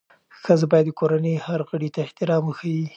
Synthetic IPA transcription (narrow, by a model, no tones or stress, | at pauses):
xəzabɑjad̪ːəkʰoɾanehaɾɣəɽit̪aɪht̪ɪɾɑməxawi